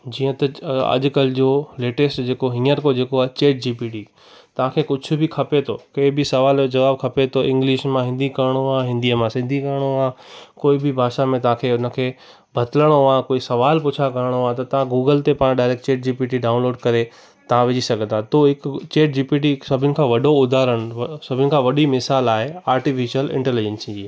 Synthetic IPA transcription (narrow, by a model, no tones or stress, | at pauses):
d͡ʑiːə̃t̪ɐɐ̰ʄʊ̆kɐld͡ʑoːleːʈesʈd͡ʑeːkoɦɪ̃ːəɾkod͡ʑeːkoaːet͡ɕeːʈ̚d͡ʑiːpiːʈiː | t̪ɐʋ̤ãkʰekʊd͡ʑʱʰʊ̆bʱɪkʰɐpet̪ʰokɐɦɪbɪsɐʋaːld͡ʑɐʋaːbkʰɐpet̪ʰoʔɪ̃ŋɡlɪʃmãɦɪ̃nd̪ʱikɐɾəɽ̃oaɦɪ̃nd̪iəmãsɪ̃nd̪ʱikɐɾəɽ̃oaːkoːibɪbʱaːʃamẽt̪ɐʋ̤ãkʰeːʊnə̆kʰeː | bʱɐt̪ɪləɽ̃oãkoːisɐʋaːlpʊt͡ɕʰakɐɾəɽ̃oãt̪ɐt̪ɐʋ̤ãɡuːɡəlt̪epaːɽ̃ɖaːɪɾek̚t͡ɕeːʈ̚d͡ʑiːpiːʈiɖaːʊ̃nloːɖkɐɾe | t̪ɐʋãʋɪd͡ʑisɐɡʱə̃nd̪ʰat̪ʰoɦɪkt͡ɕeːʈ̚d͡ʑiːpiːʈ̬isɐbʱɪnɪ̆kʰãːʋɐɖoʊd̪ʱaːɾəɽ̃sɐbʱɪnɪ̆kʰãːʋɐɗimɪsaːlaːɦeaːɾʈifɪʃəlɪ̰̃ɳʈelid͡ʑə̃nsĩd͡ʑi